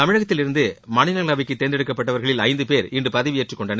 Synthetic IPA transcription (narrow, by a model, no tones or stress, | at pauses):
t̪ɐmɪɻɐɣɐt̪ːɪlɪɾɯnd̪ɯmɐnɪnɐlɐʋɪkːɯt̪eːnd̪ɛɽɯkːɐpːɐʈːɐʋɐɾɣɐɭɪlɐɪnd̪ɯpeːɾɪndrɯpɐðɐʋɪeʈrɯkːɔɳɖɐnɐ